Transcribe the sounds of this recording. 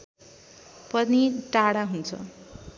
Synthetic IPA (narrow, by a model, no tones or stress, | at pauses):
pʌd̪niʈaɽaɦunt͡sʰʌ̰